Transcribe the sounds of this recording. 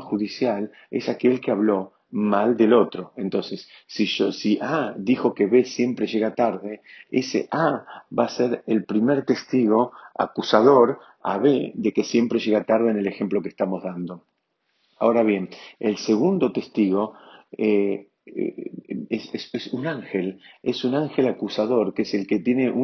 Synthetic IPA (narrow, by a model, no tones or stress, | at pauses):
xuðisjal | ḛsake̞lkeaβlo̞ | mald̪elo̞t̪ɾo̞e̞nt̪o̞nse̞sːiʒosiʔaðixo̞ke̞βe̞sje̞mpɾe̞ʒe̞ɣat̪aɾðe̞esḛʔaβaseɾelpɾimeɾt̪e̞st̪iɣo̞a̰kusaðo̞ɾ | a̰βeðe̞kesje̞mpɾe̞ʒe̞ɣat̪aɾð̞ene̞le̞xe̞mplo̞kest̪amo̞zðand̪o̞ | a̰o̞ɾaβje̞nelse̞ɣund̪o̞t̪e̞st̪iɣo̞e | esesesunaŋxe̞lesunaŋxe̞lakusað̞o̞ɾkeselket̪je̞ne̞ʔu